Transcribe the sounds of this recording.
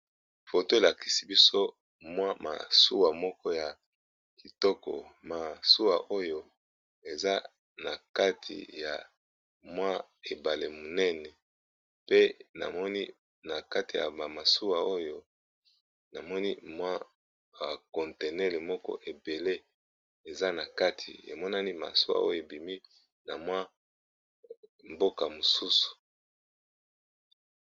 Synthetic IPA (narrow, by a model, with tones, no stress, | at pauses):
fo˨to˦e˨la˨ki˨si˦bi˦so˦ | mwa˦ma̰˨su˦wa˨mɔ˦kɔ˦ja˨ | ki˨tɔ˦kɔ̰˨ma˨su˦wa˨ʔo˦jo˦ | e˨za˦ | na˨ka˦tʰḭ˨ja̰˨ | mwa˦ | e˨ba˨le˨mu˨nɛ˦nɛ˨ | pe˦na̰˨mɔ˦ni˦ | na˨ka˦ti˨ja̰˨ba˨ma˨su˦wa˨o˦jo˦ | na˨mɔ˦ni˦mwa˦ | ba˨kɔ˨nte˨nɛ˦le˨mɔ˦kɔ̰˦ʔe˨be˨le˦ | e˨za˦na˨ka˦tʰḭ˨ḛ˨mɔ˦na˦ni˦ma̰˨su˦wa̰˦ʔo̰˦jo˦˨e˨bi˨mi˦ | na̰˨mwa˦ | mbo˦ka˨mo˨su˦su̥˨